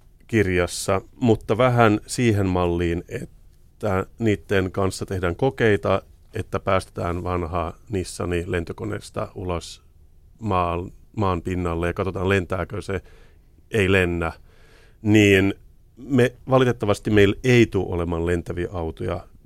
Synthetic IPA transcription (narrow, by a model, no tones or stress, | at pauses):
kirjɑsːɑmut̪ːɑʋæɦænsiːɦemmɑlːiːnet̪ː | æniːt̪ːenkɑnsːɑt̪e̞hdæːŋkokeit̪ɑ | et̪ːæpæːst̪e̥t̪æːnʋɑnhɑːnisːɑ̰nilent̪økonḛst̪ɑ̰ulɑs | mɑːmɑːmpinːɑlːejɑkɑt̪o̞t̪ɑːnlent̪æːkøse | eilenːæ | niːn | meʋɑlit̪et̪ːɑʋɑst̪imeileit̪uʔo̰lemɑːnlent̪æʋiɑʔɑwt̪ojɑ̰